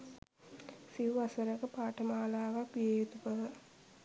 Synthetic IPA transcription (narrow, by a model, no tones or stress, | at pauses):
siʋuasəɾəkəpaːʈəmaːlaːʋakʋiejet̪ukəʋə